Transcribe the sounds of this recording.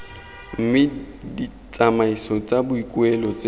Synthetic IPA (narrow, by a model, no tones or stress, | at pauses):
m̩mɪ | di | t͡sʼamaisɔt͡sʼabʊikʼwɛlɔt͡sʼe